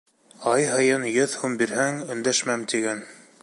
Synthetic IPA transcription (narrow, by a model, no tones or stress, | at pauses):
ɑjɦɤ̆jɤnjɵðhʉmbiɾhæŋɵ̆nd̪æʃmæmt̪iɡæn